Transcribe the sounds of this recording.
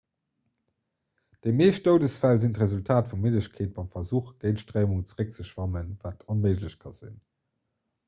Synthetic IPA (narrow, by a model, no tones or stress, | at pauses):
d̥emeːʃt̚toʊdəsfælzintʁezultʰaːtfumedləɕkʰeːt̚b̥ɑɪmfɐzuːχɡ̥əɪntʃtʁeɪmuŋt͡səʁək̚t͡səʃvɑmənvaːtʰonməɪʒləɕkʰɑz̥ḭn